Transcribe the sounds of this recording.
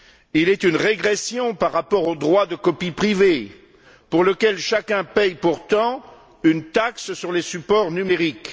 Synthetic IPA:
ilɛt̪ynʁeɡʁesjɔ̃paʁːapɔʁod̪ʁwad̪əkɔpipχive | puʁləkʲɛlʃakʲɛ̃pɛjpuʁt̪ɑ̃ | ynt̪akssyʁlesypɔʁnymeʁik

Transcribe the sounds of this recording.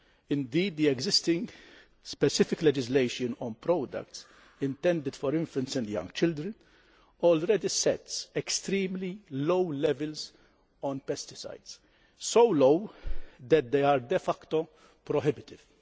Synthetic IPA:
ɪ̃nd̪iːd̪̚ːiɛɡzɪst̪ɪ̃ŋɡ | spɛsɪfɪklɛd͡ʒɪslejʃɔ̃nɔ̃npɾɔːd̪ɐ̰kt̪s | ɪ̃nt̪ɛ̃nd̪ɪd̪fɔɾɪ̃ɱfɛ̃nsɛ̃nd̪jɐ̰̃ŋɡt͡ʃɪld̪ɾə̃n | ɔlɾɛd̪isɛ̰t̪sɛkst̪ɾiːmlilowlɛvɛlz | ɔ̃npɛst̪ɪ̥sa̰jd̪s | sowlowd̪ɛt̪̚d̪ejaɾd̪ɛfɐkt̪ɔ | pɾɔɦɪbɪt̪ɪv̥

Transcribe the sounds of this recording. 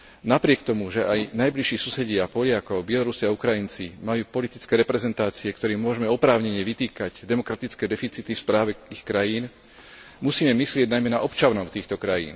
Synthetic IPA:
napɾɪɛk̚t̪ɔmuʒɛʔajnajbliʃiːsusɛɟɪapɔʎɪakɔʊbɪɛlɔɾusiaukɾajint͡simajuːpɔlit̪i̥t͡skɛːɾɛpɾɛzɛnt̪aːt͡siɛkt̪ɔɾɛːmʊɔʒɛmɛɔpɾaːʊɲɛɲɛʋit̪iːkaɟd̪ɛmɔkɾat̪it͡skɛːd̪ɛfit͡sit̪ifspɾaːʋɛixkɾajiːn | musiːmɛmislɪɛɟnajmɛna̰ʔɔpt͡ʃanɔʊt̪iːxt̪ɔkɾajḭːn

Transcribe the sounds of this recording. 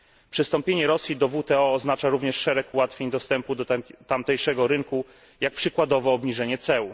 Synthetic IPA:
pʂɘst̪ɔmpʲjeɲɛɾɔsʲjid̪ɔvut̪ɛɔːznat͡ʂaɾuvɲɛʂːɛɾɛkuwat̪fʲjeɲd̪ɔst̪ɛmpud̪ɔt̪amt̪ɛjʂɛɡɔɾɘŋku | jak̚pʂɘkwad̪ɔvɔːbɲiʐɛɲɛt̪sɛu

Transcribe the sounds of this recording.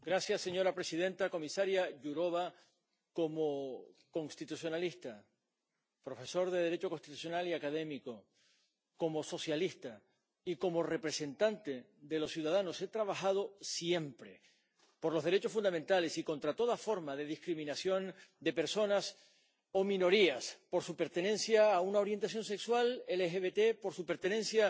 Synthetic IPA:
ɡɾasjasːe̞ɲo̞ɾapɾe̞sið̞ẽ̞nt̪ako̞misaɾjaʝuɾo̞βa | ko̞mokõ̞ŋst̪it̪usjo̞nalist̪a | pɾo̞fe̞so̞ɾðe̞ð̞e̞ɾe̞t͡ʃo̞ko̞nst̪it̪u̥s̬jo̞naliakað̞e̞miko̞ | ko̞mo̞so̞sjalist̪a | iko̞mo̞re̞pɾe̞se̞nt̪ant̪e | ðe̞lo̞ssjuðaðano̞se̞t̪ɾaβ̞axaðo̞sje̞mpɾe̞̰ | po̞ɾlo̞zðe̞ɾe̞t͡ʃofund̪ament̪ale̞siko̞nt̪ɾat̪o̞ðafo̞ɾmaðe̞ðihkɾimĩnasjo̞nd̪e̞pe̞ɾso̞nas | o̞mĩno̞ɾiaspo̞ɾsupe̞ɾt̪e̞nẽ̞nsjaːunao̞ɾje̞nt̪asjo̞nse̞kswalelexeβe̞t̪e̞po̞ɾsupe̞ɾt̪e̞ne̞nsja

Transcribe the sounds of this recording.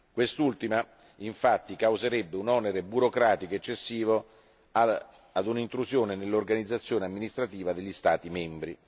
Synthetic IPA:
kwest̪ult̪ima | iɱfat̪ːikawzeɾɛbːeunɔneɾebuɾokɾaːt̪ikoet͡ʃːesːiːvo | ad̪unint̪ɾuzjoːnenelːorɡanid̪zːat̪sːjoːneamːinist̪ɾat̪iːvad̪eʎːist̪aːt̪imɛmbɾi

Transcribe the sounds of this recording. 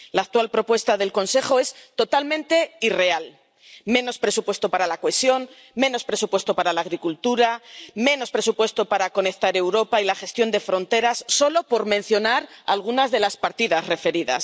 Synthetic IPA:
laːk̚t̪walpɾo̞pwe̞st̪aðe̞lko̞nse̞χo̞e̞st̪o̞t̪almẽ̞nt̪e̞ire̞al | mẽ̞no̞spɾe̞supwe̞st̪o̞paɾalakoesjo̞n | mẽ̞no̞spɾe̞supwe̞st̪o̞paɾalaːɣ̞ɾikult̪uɾamẽ̞no̞spɾe̞supwe̞st̪o̞paɾako̞ne̞kt̪aɾe̞wɾo̞pailaxe̞st̪jo̞nd̪e̞fɾo̞nt̪e̞ɾasːo̞lo̞po̞ɾmẽ̞n̟θjo̞naɾa̰lɣ̞unazðe̞laspaɾt̪iðazre̞fe̞ɾiða̰s

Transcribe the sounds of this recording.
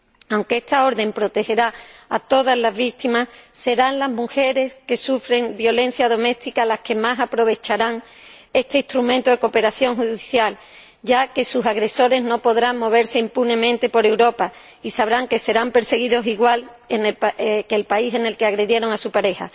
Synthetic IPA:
awŋkeest̪ao̞ɾðe̞mpɾo̞t̪e̞he̞ɾaat̪o̞ðazlazβik̚t̪imasse̞ɾanlazmuxe̞ɾe̞ske̞sufɾe̞ŋbjo̞le̞n̟θjaðo̞me̞st̪ikalahke̞masapɾo̞β̞e̞t͡ʃaɾaŋ | e̞st̪e̞ist̪ɾumẽnt̪oðe̞ko̞pe̞ɾaθjo̞ŋɦuððiθjal | ɟ͡ʝake̞susaɣɾe̞so̞ɾe̞zno̞po̞ðɾaŋmːo̞β̞e̞ɾse̞impunẽ̞mẽnt̪e̞po̞ɾe̞wɾo̞pa | isaβɾaŋke̞se̞ɾampe̞ɾse̞ɣiðo̞siɣwal | enelkelpaise̞ne̞lkeaɣɾe̞ðje̞ɾo̞ŋasupaɾe̞ha̰

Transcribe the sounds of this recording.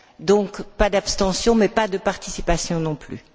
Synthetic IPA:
d̪ɔ̃kpad̪apst̪ɑ̃sjɔ̃mɛpad̪əpaʁt̪isipasjɔ̃nɔ̃ply̰

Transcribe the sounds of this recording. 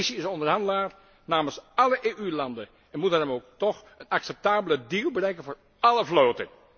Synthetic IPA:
siɪsɔndərɦɑndəlaːr | naːməsɑləʔeːʔylɑndən | ɛnmutərəmowktɔxənɑksɛp̚taːbələdiːlˠbərɛjkənvoːɹ | ɑləvloːtən

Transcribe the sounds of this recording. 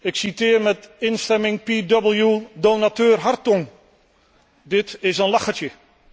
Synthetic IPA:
ɪksitɪːrmɛtɪnstɛmɪŋpidɔbəl̩ˠjudonatøːrɦartɔŋ | dɪtɪsənlɑχətjə

